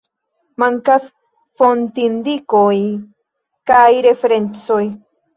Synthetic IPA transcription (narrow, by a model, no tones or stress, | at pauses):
maŋkas | font̪ind̪ikoj | kajɾefeɾent͡soj